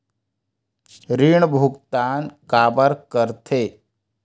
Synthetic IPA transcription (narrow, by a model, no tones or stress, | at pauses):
ɾiɳbʱukt̪aːnkaːbəɾkəɾt̪ʰeː